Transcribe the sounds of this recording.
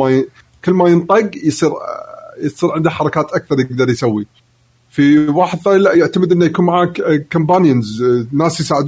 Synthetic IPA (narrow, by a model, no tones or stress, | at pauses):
a | kəlːmajənt̪ˤɨɡjsˤiːɾjsˤiːɾʕɪnd̪aħɑɾˤɑkaːt̪ʔak̚θɑɾˤjɪɡ̚d̪ɑɾˤjsawːi | fiwaːħɪd̪θaːnilaʔjɪʕt̪amɪd̪ʔənːajakuːnmaʕaːkkːʊmbaːnjənznaːsjsaːʕɪd̪